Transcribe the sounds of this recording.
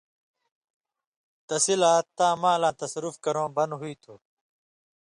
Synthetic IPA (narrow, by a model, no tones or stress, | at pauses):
t̪ɐsilaːt̪ãːmãːlãːt̪ɐsɐɾufkɐɾõːbɐnɦuiːt̪ʰuː